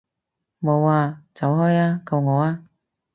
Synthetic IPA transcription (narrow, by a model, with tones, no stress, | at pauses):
mo˨˧waː˧t͡sɐ˨˥whɔː˥jaː˥kɐ˧wŋɔː˨˧˥aː˥